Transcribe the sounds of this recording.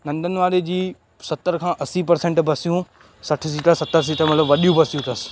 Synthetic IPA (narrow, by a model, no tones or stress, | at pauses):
nɐ̃nd̪ʱənɪ̆ʋaːɾed͡ʑiː | sɐt̪əɾkʰãːʔɐsipɐɾsẽːɳʈbɐsijũ | sɐʈʰɪsiːʈəsɐt̪əɾs̬iʈʰəmɐt̪ləbʋɐɗijũbʱɐsijũt̪ɐsɪ̥̆